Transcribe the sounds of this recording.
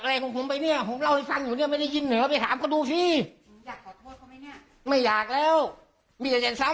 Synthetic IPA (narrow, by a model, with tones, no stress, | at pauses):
kʔla˧jkʰɔ˧˦ŋpʰo˨˦mpa˧jni˥˩ɐpʰo˩˦mla˧˩wha˥˩jfa˧ŋjuː˨˩ni˥˩ma˥˩jda˥˩ji˧nːɯː˨˩˦pa˧jt̪ʰaː˩˦mkʰɔ˥˩duː˧siː˧˩˦ | jaː˨˩k̚ʰɔː˨˩t̪ʰu˧˩˨tkʰːa˧jni˥˩ɐ | ma˥˩jaː˨˩k̚lɛː˦˥˩w | miː˧˩t͡ɕa˨˩t͡ɕa˨˧˩nsa˦˥